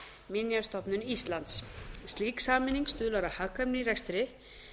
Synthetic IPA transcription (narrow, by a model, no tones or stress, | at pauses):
mɪnjast̪ɔpnʏnist̪lant̪sst̪liːksaːmɪniŋkst̪ʏːlvaɾahakːamniɾɛkst̪ɾɪ